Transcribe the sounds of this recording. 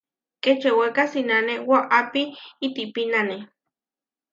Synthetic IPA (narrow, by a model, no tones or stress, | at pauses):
ket͡ʃewekasinanewaʔapiːt̪ipinane